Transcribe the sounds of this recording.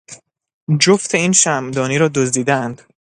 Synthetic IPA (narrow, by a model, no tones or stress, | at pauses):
d͡ʒoft̪ʰe̞iːnʃæmd̪ɒːniːɾɒːd̪ozd̪iːd̪æænd̪̥